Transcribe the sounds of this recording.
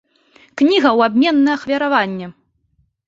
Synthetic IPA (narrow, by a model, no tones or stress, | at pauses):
knʲiɣɐwabʲmʲɛnːɐɐxvʲɐɾavanʲːɛ